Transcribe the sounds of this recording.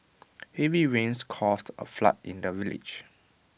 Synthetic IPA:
hɛviɹẽnskʰɔstə̰fla̰tḭ̃ndəvilɪ̰d͡ʒ

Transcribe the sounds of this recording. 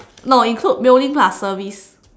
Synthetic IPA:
nɔĩnkʰlut̚biʊlĩŋplasːəvis

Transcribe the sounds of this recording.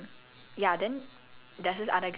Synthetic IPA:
jad̪ɨn | d̪əsɨza̰d̪əɡ

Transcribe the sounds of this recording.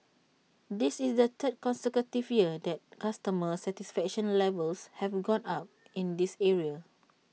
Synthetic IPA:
disisdət̪ʰət̚kɔ̃nsɛkɹətivjiədɛt̚kastəməsɛtisfɛk̚ʃə̃nlɛvəlshɛvɡɔ̃nap̚ | ĩndisɛɹia

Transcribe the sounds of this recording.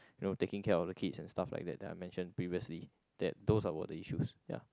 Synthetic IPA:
junotekɪ̃ŋkʰɛɔfdəkʰitsɛ̃nstafla̰ɪk̚dɛ̰t̚ɛ̃na̰jmɛ̃nʃə̃npɹiviəsli | d̥ɛt̚dosawə̰dəiʃusja̰

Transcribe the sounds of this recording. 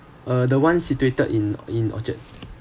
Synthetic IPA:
ədəwãnsituetədĩnĩnɔ̰t͡ʃə̰t̚

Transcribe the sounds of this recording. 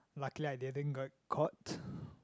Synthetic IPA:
lakliaj̚dedə̃nɡɔt̚kʰɔt

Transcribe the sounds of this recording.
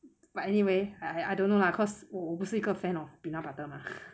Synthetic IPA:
b̥atɛniweaaajdõnːolaəkʰɔsoobusikəfɛ̃nɔb̥inɔbatəmã

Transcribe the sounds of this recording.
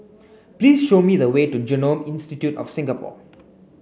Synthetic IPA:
pliːsʃomid̪əwetud͡ʒənõmɪ̃nstitjutɔ̰fsɪ̃ŋɡapɔ̰

